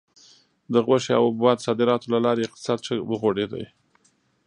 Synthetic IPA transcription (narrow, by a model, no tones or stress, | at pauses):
d̪əɣwaʃea̰wbwɑd̪sɑd̪ɪɾɑt̪olalɑɾeɪq̚t̪ɪ̥sɑd̪t͡ʃəwəɣoɽed̪a̰j